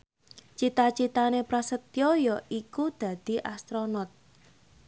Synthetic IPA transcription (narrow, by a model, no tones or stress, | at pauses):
t͡ʃit̪at͡ʃit̪anepɾasət̪jɔjɔʔikud̪̥ä̤d̪̥i̤ʔast̪ɾɔnɔt̪̚